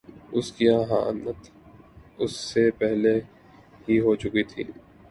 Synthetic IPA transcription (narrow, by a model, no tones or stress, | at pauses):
ʊskiãːɦãːə̰nət̪ | ʊsːepɛɦle | ɦiɦot͡ʃʊkit̪ʰḭː